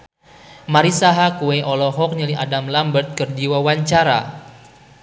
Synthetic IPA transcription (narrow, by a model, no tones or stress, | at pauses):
maɾisaɦakueʔɔlɔɦɔk̚nilia̰damlambərt̪̚kərdiwawaɲt͡ʃaɾa̰